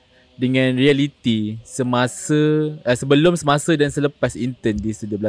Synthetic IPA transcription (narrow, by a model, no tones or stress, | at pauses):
dəŋãnrialit̪isəmasəəsəbəlʊmsəmãsədansələpasint̪əndisədiəbla